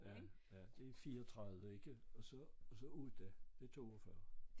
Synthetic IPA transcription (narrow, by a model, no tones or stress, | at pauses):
jæ | æd̥e̝fiːɐɒt͡sʰʁɑ̈ðˠʋəe̝ɡ̥əɒ̽sɒsɒ̽uð̰ˠd̥æd̥e̝t͡sʰo̝̰ːɒfɶɐ